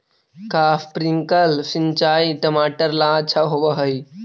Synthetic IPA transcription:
kafʰpɾiŋkəlsint͡ʃaiʈəmaːʈəɾlaəʃʰaɦobəɦəi

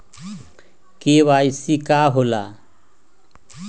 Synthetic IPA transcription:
keːʋaːjsikaːɦolaː

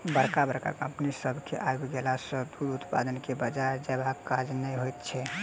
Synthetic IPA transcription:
bəɾkabəɾka̰kə̃mpnisəbʱkʰeʔajoɡɡelasəd̪uɾut̪pa̰d̪ənkebəd͡ʒaɾd͡ʒɛbakad͡ʒnɛjɦojt̪t͡ʃʰɛ

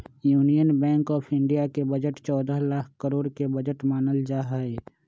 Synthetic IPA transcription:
juːnijənbɛ̃ːŋkɔːpʰɪ̃ɳɖijakebəd͡ʒəʈt͡ʃɔːd̪əɦlaːkʰkəɾoːɽkebəd͡ʒəʈmaːnəld͡ʒaːɦɛe

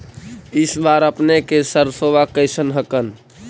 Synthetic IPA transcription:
ɪsbaɾəpnekesəɾsoʋakəɪsənɦəkən

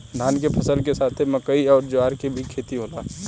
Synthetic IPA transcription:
d̪ʱaːnkepʰəsəlkesaːt̪ʰeməkəiɔːɾd͡ʒʊaːɾkebʱikʰeːt̪iɦoːlaː

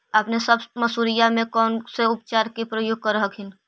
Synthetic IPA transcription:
əpnesəbməsuːɾɪjamẽkɔːnseʊp̚t͡ʃaːɾkepɾəjoːɡ̚kəɾɦəkɪn

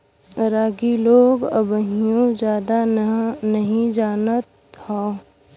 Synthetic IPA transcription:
ɾaːɡiloːɡə̰bəɦijõd͡ʒjaːd̪anəɦĩd͡ʒaːnət̪ | hõː

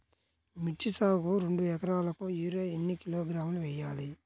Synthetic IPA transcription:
mit͡ʃːisaːɡuɾe̞ɳɖuɛkɐɾaːlɐkujuːɾeːenːikiloːɡɾaːmluʋɛjːaːli

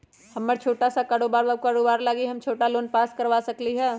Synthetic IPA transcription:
hɐmːəɾt͡ʃʰoːʈasakaɽoːbaːɾakaɽoːbaːɾlaːɡiɦɐmt͡ʃʰoːʈaloːnpaːskɐɾʋaːsɐkliɦɛː

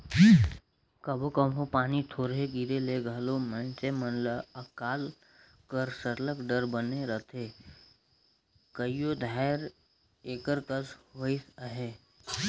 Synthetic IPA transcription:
kəbokəmɦopaːnit̪ʰoːɾɦeɡiɾeleɡʱəlomə̃nt͡ʃemənləəkaːl | kəɾsəɾləkɖəɾbəneɾət̪ʰe | kəijod̪ʱaːɾ | eːkəɾkəsɦoɪsəɦeː

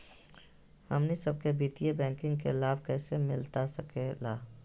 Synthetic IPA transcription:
həmnisəb̚kebiːt̪ijebɛ̃ːŋkɪ̃ŋɡkelaːb̚kɛːsemɪlt̪asəkelaː

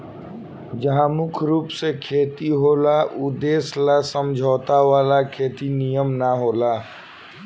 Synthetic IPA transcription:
d͡ʒəɦãmʊkʰɾuːpsekʰeːt̪iɦoːlaʔʊd̪eːslasəmd͡ʒʱɔːt̪aʋaːlakʰeːt̪inijəmnaɦoːlaː

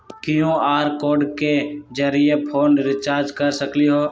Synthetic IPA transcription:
kɪjõaːɾkoːɖked͡ʒəɾijepʰoːɳɖɾɪt͡ʃaːɾd͡ʒkəɾsəkliɦoː

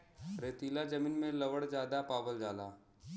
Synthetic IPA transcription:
ɾeːt̪iːlad͡ʒɐmiːnmẽlɐʋəɽd͡ʒjaːd̪apaːʋəld͡ʒaːlaː

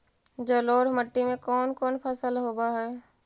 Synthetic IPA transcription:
d͡ʒəloːɾməʈːimẽkɔːnkɔːnpʰəsəlɦoːbaɦɛː

